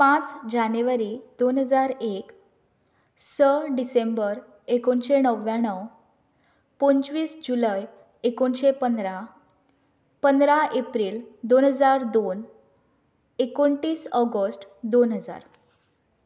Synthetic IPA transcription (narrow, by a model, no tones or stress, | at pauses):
pãt͡sd͡ʑanuʋaɾid̪onɦəd͡zaɾek | səɖisembəɾ | ekoɳɕenəʋjãɳ̃əw | põnt͡ɕʋiːsd͡ʑuləj | ekonɕepənd̪ɾa | pənd̪ɾaʔepɾiːld̪onɦəd͡zaɾd̪on | ekoɳʈiːsɔɡəsʈd̪onɦəd͡za̰ɾ